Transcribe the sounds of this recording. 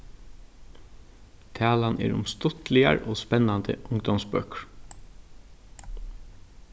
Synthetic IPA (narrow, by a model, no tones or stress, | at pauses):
t̪ʰæːlanɛ̰ːɹʊ̰mst̪ʊt̪lɪaɹoːspɛnːand̪ə̰ʔʊŋd̪ɔmspœkɹ